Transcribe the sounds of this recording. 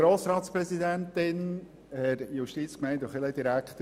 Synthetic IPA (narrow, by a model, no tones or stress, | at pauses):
ɾoːsɾɑːt̪spɾɛsid̪ænt̪ɪn | hɛɾjuʃtiːt͡skmɛɪndɔχɪləd̪iɾækt̪ə